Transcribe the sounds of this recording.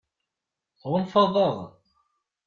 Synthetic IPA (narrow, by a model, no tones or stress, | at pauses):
ʁʊnfɑðˤːəðˤ